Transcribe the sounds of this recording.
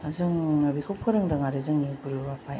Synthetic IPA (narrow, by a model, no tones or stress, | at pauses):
azɯŋbikʰop̚kʰɯɾɯŋdaŋaɾezɯŋnikɯɾɯbapʰaj